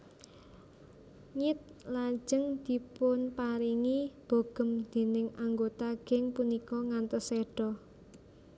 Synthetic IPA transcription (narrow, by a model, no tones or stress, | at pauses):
ŋit̪̚lḁd͡ʒ̥əŋd̪̥i̤pʊnpaɾiŋib̥o̤ɡ̥ə̤md̪̥e̤nɪŋaŋɡot̪aɡ̥ɛ̤ŋpunikɔŋant̪əseɖ̥ɔ